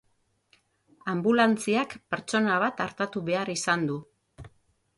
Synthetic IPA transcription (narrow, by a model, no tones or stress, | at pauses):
ambulant͡siakpeɾt͡ʃo̞naβ̞at̪aɾt̪at̪uβe̞arisand̪u